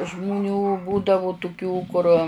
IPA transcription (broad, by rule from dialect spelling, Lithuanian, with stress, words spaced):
ʒmʊˈnʲuː ˈbuːdɐʋʊ tʊˈkʲuː kʊr